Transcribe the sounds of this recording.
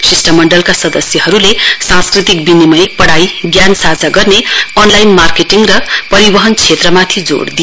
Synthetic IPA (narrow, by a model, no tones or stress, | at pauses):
sisʈʌmːʌɳɖʌlkasʌd̪ʌsjʌɦʌɾulesãskrit̪ikbinimʌjpʌɽajɡjansad͡zaɡʌrneʌnlajnmarkeʈiŋɡrʌpʌɾibʌɦʌnt͡sʰet̪rʌmat̪ʰid͡zo̰ɽd̪i